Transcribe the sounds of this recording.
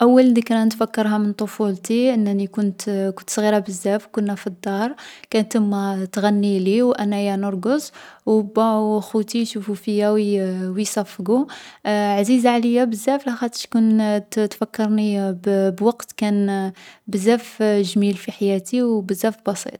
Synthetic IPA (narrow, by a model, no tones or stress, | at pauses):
ʔæwːəld̪əkɾænt̪fækːəɾˤɦæmənt̪ˤofult̪iʔənːænikʊnt̪kʊnt̪sˤɣiɾˤɑbəzːæfkʊnːæfid̪ːɑɾˤkænt̪əmːæt̪ɣænːiliwʔænæjænʊɾˤɡəzwbæwxut̪iʃufufəjæwwisɑfːɡu | ʕazizaʕləjːabəzːæflæxæt̪ˤə̥ʃkunt̪fækːəɾˤnibbwɑqt̪kænbəzæfʒmilfiħajæt̪iwbəzːæfbɑsḭt̪ˤ